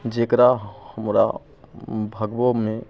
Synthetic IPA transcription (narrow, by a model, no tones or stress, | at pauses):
d͡ʒeːkɾaɦhəmɾa̰ | bʱəɡbomẽ